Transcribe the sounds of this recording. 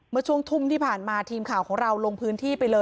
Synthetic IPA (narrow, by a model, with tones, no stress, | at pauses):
mɯ˧ɐt͡ɕʰu˥˩əŋt̪ʰu˥˩mt̪ʰiː˥˩pʰaː˨˩nmaː˧t̪ʰiː˧mkʰaː˨˩wkʰɔː˩˦ŋɾa˧wlo˧ŋpʰɯː˦˥nt̪ʰiː˥˩pa˧jlɤː˧